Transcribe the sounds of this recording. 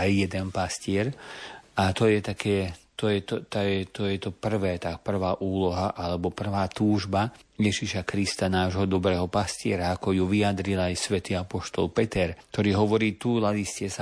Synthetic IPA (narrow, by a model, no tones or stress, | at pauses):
ajːɛd̪ɛnpascɪɛɾ | at̪ɔjɛt̪akʰɛːt̪ɔjɛt̪ɔt̪ajɛt̪ɔjɛt̪ɔpr̩ʋɛːt̪apr̩ʋaːʔuːlɔɦaʔalɛbɔpr̩ʋaːt̪uːʒbajɛʒiʃakɾist̪anaːʒɦɔd̪ɔbɾɛːɦɔpascɪɛɾaakɔjuʋiad̪ɾilajsʋɛt̪iːapɔʃt̪ɔlpɛt̪ɛɾkt̪ɔɾiːɦɔʋɔɾiːt̪ulad̪iscɛsa